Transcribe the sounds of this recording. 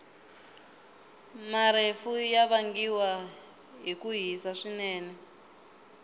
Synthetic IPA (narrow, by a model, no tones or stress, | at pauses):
maɾefujaβaŋɡiwa | ɦikuɦisaʂinɛːnɛ